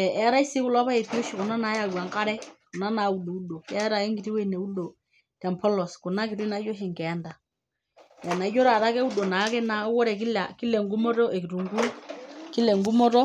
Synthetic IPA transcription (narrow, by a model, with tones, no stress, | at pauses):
ɛ˨ʔɛ˨˦ɾa˦i˦si˦kʊ˦la˦pa˦e˨pi˦o˦ʃi˨kʊ˨na˦na˨˦ja˨ɡwa˨ŋka˦ɾɛ˦kʊ˨na˦na˨u˨ɗo˨u˦ɗo˨kɛ˦ɾa˨e˦ŋɡi˨ti˦we˦˨ne˨u˦ɗo˨ | tmpʰɔ˦lɔ˨skʊ˨na˦kɪ˨ɾi˦na˨˦d͡ʒo˦ɦɛ˨ŋkɛ˨˦nda˨ | ja˨na˨i˦d͡ʒo˦ɾa˨ɾa˦kɛ˦u˦ɗo˨na˨˦kɛ˦na˦wɔ˦ɾɛ˨ki˦la˨kɪ˦lɛ˨ŋɡu˦mɔ˦tɔ˦ʔɛ˨ki˨tu˨ŋɡu˦kɪ˦lɛ˨ŋɡu˦mɔ˦tɔ˦